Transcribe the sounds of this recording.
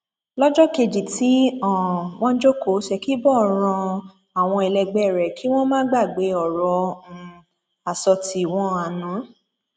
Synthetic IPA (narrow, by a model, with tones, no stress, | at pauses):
lɔ˦d͡ʒɔ˦ke˧d͡ʒi˨ti˨˦ɔ̃˨w̃ɔ̃˦d͡ʒo˦ko˨˦ʃɛ˧ki˦bɔ˦˨ɾ̃ã˧ | a˨w̃ɔ̃˧i˨lɛ˧ɡ͡bɛ˦˨ɾɛ˨ki˦w̃ɔ̃˦mãː˦ɡ͡ba˦˨ɡ͡be˨˦ɔ˨ɾɔ˨˧˦ | a˨sɔ˧ti˧˨w̃ɔ̃˦a˨nũ˨˦